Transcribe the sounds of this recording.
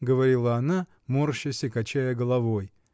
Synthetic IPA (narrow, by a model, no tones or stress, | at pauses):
ɡəvɐɾʲilˠəɐna | morɕəsʲɪkɐt͡ɕæjəɡəlˠɐvoj